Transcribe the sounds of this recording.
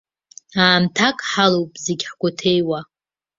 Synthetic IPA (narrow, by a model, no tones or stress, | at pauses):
aːmtʰakʼħalowpʼzeɡʲħɡʷʊtʰejwa